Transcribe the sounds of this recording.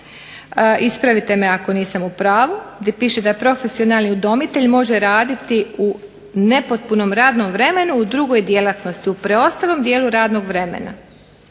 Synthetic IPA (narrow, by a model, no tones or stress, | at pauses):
ʔispɾaʋit̪e̞me̞ako̞niːsamupɾaːʋud̪ipiːʃed̪apɾo̞fe̞sio̞nalniud̪o̞mit̪e̞ʎmo̞ʒeɾaːd̪it̪iu | ne̞po̞t̪̚puno̞mɾaːd̪no̞mʋɾe̞me̞nuud̪ɾuɡo̞jd̪je̞lˠat̪no̞st̪iupɾeo̞st̪alˠo̞md̪je̞ːluɾaːd̪no̞ɡʋɾe̞mḛna̰